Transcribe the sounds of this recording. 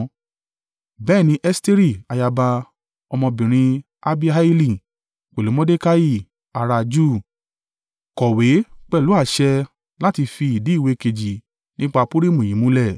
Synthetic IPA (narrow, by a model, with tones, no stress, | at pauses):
bɛː˦˨nĩ˧˦ʔɛ˦ste˦ɾi˦˨a˨ja˧ba˧ | ɔ˧mɔ̃˧bĩ˨ɾ̃ĩ˧ | a˧bi˦a˦i˦li˦˨ | k͡pe˨lu˨˦mɔ̃˦de˦ka˦ji˦˨ | a˨ɾa˧d͡ʒu˦˨ | kɔ˨we˨˦k͡pɛ˦˨lu˨˦a˦˨ʃɛ˧ | la˦ti˧fi˧i˨di˨˦i˦˨we˧ke˧d͡ʒi˨ | nĩ˦k͡pa˧pu˦ɾi˦˨mũ˨ĩ˨˦mũ˦lɛ˦˨